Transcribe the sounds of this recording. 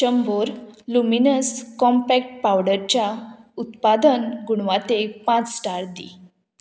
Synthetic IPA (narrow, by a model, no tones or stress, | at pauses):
ɕəmboɾluminəskɔmpɛk̚ʈ̚pawɽəɾt͡ɕjaut̪pad̪ənɡuɳ̃ʋat̪epãt͡ssʈaɾd̪ḭ